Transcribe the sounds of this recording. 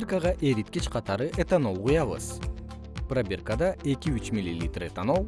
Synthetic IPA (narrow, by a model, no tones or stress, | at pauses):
rkaʁɑʔe̞ɾit̪̚kʲet͡ʃqʰɑt̪ɑɾɯʔet̪anolˠqujɑβɯ̰z̥ | prabʲirkad̪ɑe̞kʲiyt͡ʃmʲilʲːilʲḭt̪ret̪anow